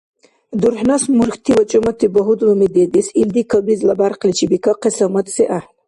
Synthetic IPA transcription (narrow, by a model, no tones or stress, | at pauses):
d̪uɾħnasmuɾxt̪ʰiwɐt͡ʃʼumɐt̪ʰiboɦud̪wəmid̪ed̪isild̪ikʰabizlabaɾqlit͡ʃibikʰaqesɐmɐt̪seʔa